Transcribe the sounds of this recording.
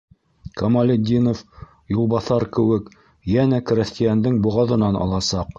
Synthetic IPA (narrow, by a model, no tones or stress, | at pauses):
komalʲed̪ʲinof | julˠbɑθɑɾkɘ̆wɘk | jænækrʲɘ̆st̪ʲijænd̪ɘŋbŭʁɑðɤ̆nɑnɑ̰lˠɑsɑq